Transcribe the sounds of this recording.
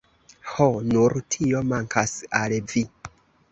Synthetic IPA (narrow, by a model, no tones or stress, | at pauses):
honuɾtʰio̞maŋkʰasalvi